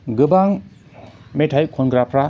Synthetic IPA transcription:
ɡɯbaŋ | metʰajkʰɔnɡɾapʰɾa

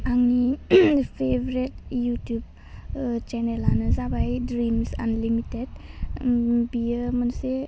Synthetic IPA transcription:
aŋnipʰebɾetjutjub̚ | t͡ʃɛnelanɯzabajdɾimsa̰nlimited̚ | bijəmənse

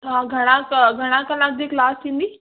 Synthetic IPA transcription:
ɦãɡʱəɽ̃ãkɡʱəɽ̃ãkəlãk̚d͡ʑiklaːst̪ʰĩnd̪iː

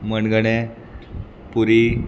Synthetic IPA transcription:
mənɡəɳe | puɾi

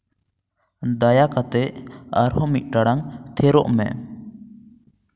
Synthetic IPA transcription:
d̪ajakat̪ɛʔaɾhɔmit̪̚ˀʈaɽaŋt̪ʰɛɾɔʔmɛ̰

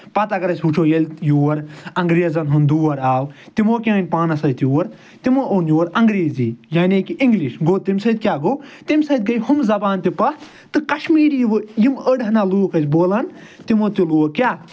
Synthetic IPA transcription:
pɐt̪akɐɾɐsʲut͡ʃʰojɐlʲjuːɐɾɐŋɡɾeːzɐnɦund̪uːɐɾaːwt̪imoːkʲaːnʲpaːnɐsɐt̪juːɐɾ | t̪imoʔonjuːɐɾɐŋɡɾeːziːjaːnekiʔiŋɡliʃɡoːt̪imʲsɐd̪̚ʲkʲaːɡoːt̪imʲsɐd̪̚ɡɐjhumzɐbaːnt̪ipɐ | t̪ɨkɐʃmiːɾjiʋɨjiməɖɦnaluːkɐsʲboːlɐn | t̪imoːt̪ʲjuluːɐkjaː

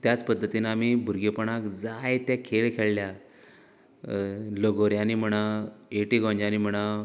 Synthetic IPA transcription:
t̪jat͡spəd̪ʱːət̪inamibʱuɾɡepəɳ̃akd͡zajt̪jakʰeɭkʰeɭlja | ləɡoɾjanim̤əɽ̃aeʈiɡɔ̃ɲd͡ʑanim̤əɽ̃a

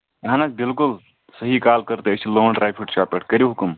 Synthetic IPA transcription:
jɦãnad͡ʒbilkul | səɦikaːlkəɾt̪eːt͡ʃʰiloːɳɖɾajpʰiʈt͡ʃaːpeʈkəɾiɦʊkum

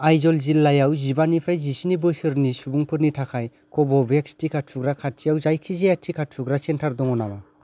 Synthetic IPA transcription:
ajzɔlzilːajawzibanipʰɾajzisinibɯsɯɾnisubuŋpʰɯɾnitʰakʰaj | kʰɔbɔbekstikʰatsʰuɡɾakʰat̚t͡ʃijawzajkʰizeattʰikʰatsʰuɡɾasentʰaɾd̪ɔŋɔnaba

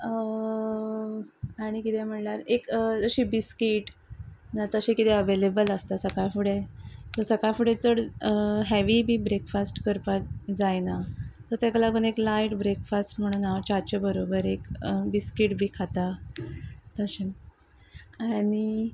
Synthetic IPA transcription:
ə | aɽ̃ikit̪ʰɛm̤əɳlaɾekəd͡zəɕiːbiskiʈnat̪əɕẽkit̪ʰɛəʋelebələst̪asəkajfuɽet̪ɔsəkafuɽet͡səɽɦɛʋibʱiːbɾekfasʈkəɾpad͡zajnat̪ɔt̪ɛkəlakuneklaiʈbɾekfasʈm̤əɽ̃uːnawt͡ɕat͡ɕebəɾobəɾekbiskiʈbʱiːkʰat̪a | t̪əɕe | aɽi

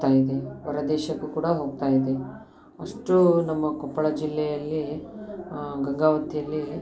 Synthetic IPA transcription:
t̪aːjid̪eʋɐɾɐd̪ɛːʃɐkːukuːɽɐɦo̞ːɡ̚t̪aːjid̪e | ɐʂʈunɐmːɐkɔpːɐɭɐd͡ʒilːɛjɐlːi | ɡɐŋɡaːʋɐt̪ːijɐlːi

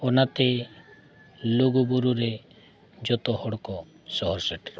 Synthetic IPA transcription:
onat̪e | loɡubuɾuɾe | d͡ʒɔt̪ɔɦɔɽkɔ | sɔɦɔɾseʈɾɔ

